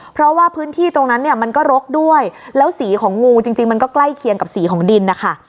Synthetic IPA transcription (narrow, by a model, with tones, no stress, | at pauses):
pʰɾɔ˦˥waː˥˩pʰɯː˦˥nt̪ʰiː˥˩t̪o˧ŋna˦˥nːi˥˩ɐma˧nkɔː˥˩ɾo˦˥k̚du˥˩əjlɛː˦˥wsiː˩˦kʰɔː˩˦ŋːuː˧t͡ɕi˧ŋt͡ɕi˧ŋma˧nkɔː˥˩kla˥˩jkʰi˧əŋka˨˩p̚siː˩˦kʰɔː˩˦ŋdi˧nːa˦˥kʰa˥˩